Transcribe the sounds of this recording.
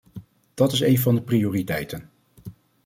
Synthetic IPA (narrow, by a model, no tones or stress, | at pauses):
d̥ɑtɪs̬ejnvɑndəprioːritɛjtən